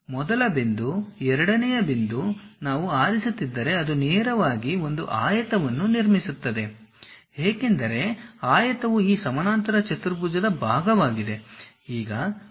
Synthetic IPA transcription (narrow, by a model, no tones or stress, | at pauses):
mɔd̪ɐlɐbind̪uɛɾɐɽɐnɛjɐbind̪unaːʋuaːɾisut̪ːid̪ːɐɾe̞ɐd̪uneːɾɐʋaːɡio̞nd̪uʔaːjɐt̪ɐʋɐnːuniɾmisut̪ːɐd̪e̞ | ɦeːke̞nd̪ɐɾe̞aːjɐt̪ɐʋuiːsɐmɐnaːnt̪ɐɾɐt͡ʃɐt̪uɾpuːd͡ʒɐd̪ɐbʱaːɡɐʋaːɡid̪e̞ | iːɡɐ